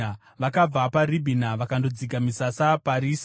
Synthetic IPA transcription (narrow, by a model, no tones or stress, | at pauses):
ʋakab͡vaparibʱinaʋakando̞d͡ziɡamisasapaɾiːs